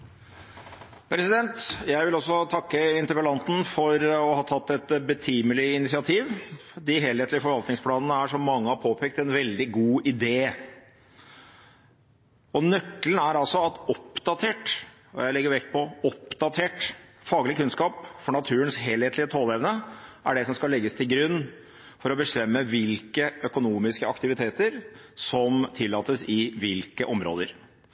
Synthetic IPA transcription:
pʰɾɛsɪd̪ɛnt̪jæɪʋɪlɔsːɔt̪ʰɑkːəɪnt̪əɾpəlɑnt̪n̩fɔɾɔhɑːt̪ʰɑt̪ːɛt̪bət̪ʰiːməlɪɪnɪsɪɑt̪ʰiːʋ | d̪ɪɦeːlheːt̪lɪfɔɾʋɑlt̪nɪŋspʰlɑːnənəæʂɔmːɑŋːəhɑɾpʰoːpʰɛːk̚t̪ɛnʋɛld̪ɪɡuːʔɪd̪eː | ɔnœkːlən̩æɾɑlsɔɑt̪ɔpd̪ɑt̪ʰeːʈ | ɔ̰jæɪlɛɡːəɾʋɛkt̪pʰɔɔpd̪ɑt̪ʰeːʈfɑːɡəlɪkʉnskɑːpfɔɳɑt̪ʰʉːənsɦeːleːt̪lɪət̪ʰoːlɛʋnəʔæɖɛsɔmskɑlɛɡːəst̪ʰɪlɡɾʉnː | fɔɾɔbəst̪ɛmːəʋɪlkəœkʊnuːmɪskəɑkt̪ɪʋɪt̪ʰeːt̪əɾsɔmt̪ʰɪlːɑːt̪əsɪʋɪlkəʔɔmɾo̰ːd̪əɾ

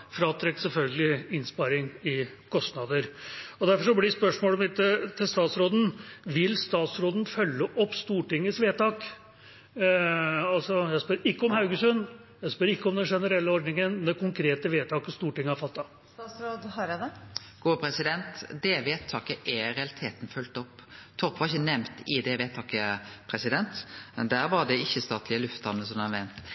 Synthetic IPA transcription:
fɾɑːt̪ʰɾɛksɛlfœlɡəlɪɪnspɑɾɪŋɪ | kʰɔst̪nɑd̪əɾɔd̪æɾfɔʂɔblɪspœʂmoːlmɪt̪ːət̪ʰɪlst̪ɑːt̪sɾoːd̪n̩ʋɪlst̪ɑːt̪sɾoːd̪nfœlːəʔɔpːst̪uːʈɪŋːəsʋeːt̪ɑːk | ɑlsɔjæɪspœɾɪkːəɔmhɑʉɡəsœn | jæɪspœɾɪkːəɔmd̪ɛnʂɛnəɾɛlːəɔɖ̪nɪŋənmɛkʰʊŋkʰɾeːt̪əʋeːt̪ʰɑːkəst̪uːʈɪŋːəhɑɾfɑt̪ːɑ | t̪ɑːsɾoːd̪hɑɾɛd̪ɛɡ̥uːpʰɾɛsɪd̪ɛnt̪d̪ɛʋeːt̪ʰːɑːkəʔɛɾɛɑlɪt̪ʰeːt̪n̩fœlt̪ɔpːt̪ʰɔʁpʋɑɾɪçːənɛmt̪ɪd̪ɛʋeːt̪ʰɑːkəpʰɾɛsɪd̪ɛnt̪d̪æːɾʋɑd̪ɛɪçːəst̪ɑːt̪ʰlɪəlʉft̪ɑnːəsɔmd̪ɑnʋɛnt̪

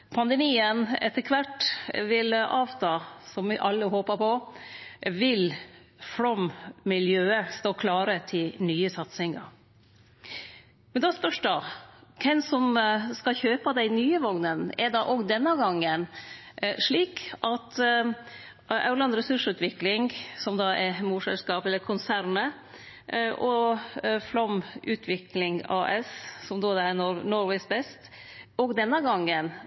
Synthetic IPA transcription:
pʰɑnd̪ɛmiːənɛ̰t̪ːəkʰʋɑʈːʋɪlɑːʋt̪ʰɑːsɔmʋɪʔɑlːəɦoːpəpʰɔ | ʋɪl | fɾɔmmɪljøːəst̪oːkʰlɑːɾət̪ʰɪlnyːəsɑt̪sɪŋɑ̰ɾ | mɛnd̪ɑːspœʂɖɑkʰɛnsɔmskɑçøːpəd̪æɪnyːəʋɔŋnənɛɖɑʔɔɡd̪ɛnːɑɡɑŋːən | ʂɭiːkʔɑt̪ | ʔɑ̰ʉlɑnd̪ɾɛsʉʂʉːt̪ʋɪklɪŋsɔmd̪ɑːɛmuːsɛ̰lskɑːpɛlːəɾkʰʊnsæɾnə | ʔɔ | flɔmʉːt̪ʰʋɪklɪŋɑ̰ːʔɛssɔmd̪oːd̪ɛænɔɾʋɛɪsbɛst̪ɔɡd̪ɛnːɑɡɑŋːən

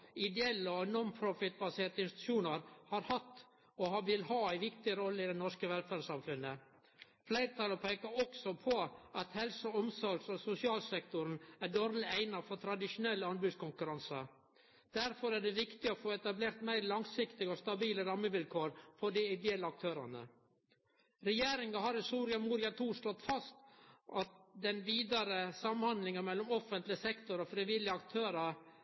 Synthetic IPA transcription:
ɪd̪ɛɛlːəɔnɔnpʰɾʊfɪt̪̚bɑseːɾt̪əɪnst̪ɪt̪ʉ̥ʃuːnɑɾhɑɾhɑt̪ː | ɔhɑʋɪlhɑːæɪʋɪkt̪ɪəɾɔlːəɪd̪ɛnɔʂskəʋɛlfæːɾsɑmfʉnə | flæɪɾət̪ʰɑlːəpʰeɪkɑɾɔksɔpʰɔɑt̪hɛlsəɔmsɔɾɡsɔsʊsɪɑːlsɛkt̪ʊɾn̩æɖoːɾlɪæɪnɑfɔɾt̪ʰɾɑd̪ɪʂʊnɛlːəɑnbʉːskʊŋkʉɾɑnsə | d̪̥æɾfɔɾæɖɛʋɪkt̪ɪɔfoːɛt̪ɑbleːɾt̪mæɪɾlɑŋsɪkt̪ɪɡəɔst̪ɑbiːləɾɑmːəʋɪlkʰoːɾfɔɖɪɪd̪ɛɛlːəɑk̚t̪ʰøːɾɑ̰nə̰ | ɾɛjeːɾɪŋɑɦɑɾhɪst̪uːɾɪɑmuːɾɪɑt̪ʰuːʂlɔt̪ːfɑst̪ʔɑt̪̚d̪ɛnʋiːd̪ɑɾəsɑmnhɑnd̪lɪŋɑmɛlːʊmɔfənt̪lɪəsɛkt̪ʊɾɔfɾɪʋɪlːɪəɑkt̪ʰøːɾɑɾ

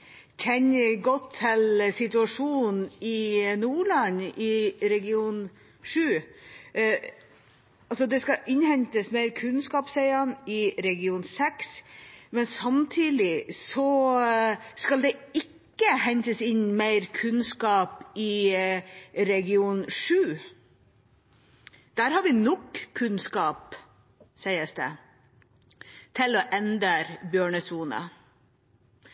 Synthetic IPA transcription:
çʰɛɲɡɔt̪ʰːɪlsɪt̪ʉɑʂuːnn̩ɪnuːɭɑnɪɾɛɡɪuːn | ʂʉː | ɑlsɔd̪ɛskɑʔɪnhɛnt̪əsmeɪɾkʰʉnskɑːpsɛɪɑnɪɾɛɡɪuːnsɛksmɛnsɑmt̪ʰiːd̪ɪsɔ | skɑld̪ɛɪkːəhɛɲt̪əsɪɲmæɪɾkʰʉnskɑːpɪ | ɾɛɡɪuːnʂʉː | d̪̥æːɾhɑɾʋɪnɔkʰːʉnskɑːp | sæɪəsd̪ɛ̰ | t̪ʰɪlɔʔɛnd̪əɾbjøːɳəsuːnə̰

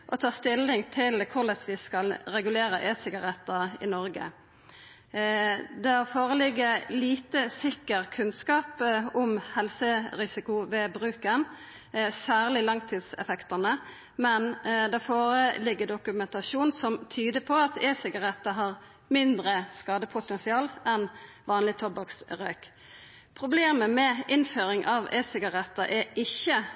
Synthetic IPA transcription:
ʔɔt̪ʰɑːst̪ɪlːɪŋt̪ʰɪlkʰʊɭɛsʋɪskɑlɾɛɡʉleːɾəʔeːsɪɡɑʁɛt̪ːəɪ̰nɔɾɡə̰ | d̪ɛɑfoːʁəlɪɡːəliːt̪əsɪkːəʁkʰʉnskɑːpʊmhɛlsəɾɪsɪkʊʋɛbɾʉːkən | sæːʁlɪlɑŋt̪ʰiːd̪sɛ̰fɛkt̪ɑnə | mɛnd̪æfoːɾəlɪɡːəd̪ʊkʉmɛnt̪ɑʃuːnsɔmt̪ʰyːd̪əpʰɔɑt̪eːsɪɡɑʁɛt̪ːəɦɑʁ | mɪnd̪ɾəskɑːd̪əpʰʊt̪ɛnsɪɑːlɛn | ʋɑːnlɪt̪ʰɔbɑksɾøːk | pʰʁʊbleːməmɛɪnføːɾɪŋʔɑʋeːsɪɡɑʁɛt̪ːəʔæɪçːə

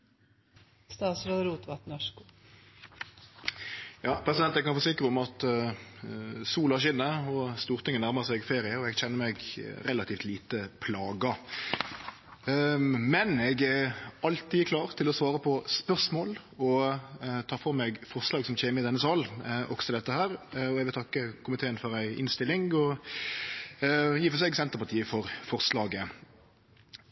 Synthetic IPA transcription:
st̪ɑːsɾɑd̪ɾuːt̪ʋɑt̪nɔʂku | jɑːpʰʁɛsɪd̪ɛnt̪ɛɡkɑnfoːsɪkːəɾəʊmɑt̪ | suːlɑʁɕɪnːəɔst̪uːʁt̪ʰɪŋːənæʁməʁsɛɡɪfeːʁɪəɔɛɡçɛnːəɾmɛɡɾɛlɑt̪ʰiːft̪liːt̪əpʰlɑːɡə | mɛnɛɡæɑlt̪iːkʰlɑːʁt̪ʰɪlɔsʋɑːɾəpʰɔspœʁʂmoːl | ɔ | t̪ʰɑːfɔʁmɛɡfɔʁʂlɑːɡsɔmçeːmɪɪd̪ɛnːəsɑːlʔɔksɔt̪ɪlɛt̪ːəhæːɾɔɛɡʋɪlt̪ʰɑkːəkʰʊmɪt̪ʰeːənfɔɾæɪʔɪ̰nst̪ɪlɪŋɔ | jiːfɔsɛɡsɛnt̪əʁpɑʁt̪ʰiːəfɔʁfɔʁslɑːɡə

